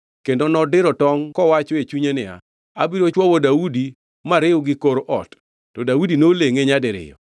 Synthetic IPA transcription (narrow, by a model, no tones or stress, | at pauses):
kendonɔdɪɾɔtɔŋkɔwat͡ʃɔet͡ʃuɲenɪa̰ | abiɾot͡ʃwɔwodaudi | maɾɪʊɡɪkoɾoʔɔ̰tː | ɔdaudinoleŋeɲadɪɾɪ̰jɔ̰